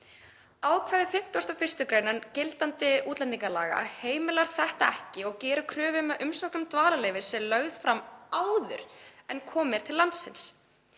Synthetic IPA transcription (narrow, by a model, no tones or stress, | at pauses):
aːwkʰvɛːðɪfɪm̥t̪ɔst̪awfɪr̥st̪ʏkɾejnancɪlt̪ant̪ɪuːt̪lɛniŋkaɾla̰ːɣa̰heːjmɪlaɾθɛht̪aɛhcɪɔɣcɛːɾʏkʰɾœːvɪmɛʔʏmsɔknʏmt̪vaːlalejvɪsɛlœɣðfɾamaːwðʏ̰ɾ̥ɛnkʰɔːmɪɾ̥t̪ʰɪlːant̪sɪ̰ns